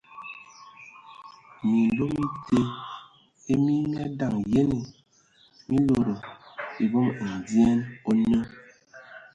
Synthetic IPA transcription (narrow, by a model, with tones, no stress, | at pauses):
mi˨ndo˦mi˦te˦ | e˦mi˦nɛ˦da˨ŋje˦ne˨ | mi˦lo˨ɾo˨i˨bɔ˦ma˨di˦ɛ˦no˦nə˦